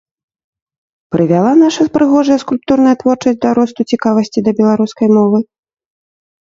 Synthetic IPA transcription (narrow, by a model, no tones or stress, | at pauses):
pɾɨvʲalˠanaʂɐspɾɨɣɔʐɐjɐskulʲp̚t̪uɾnɐjɐt̪vɔrt͡ʂɐsʲt̚ʲd̪ɐɾɔst̪ut͡sʲikavɐsʲt͡sʲid̪ɐbʲɛlˠaɾuskɐjmɔvɨ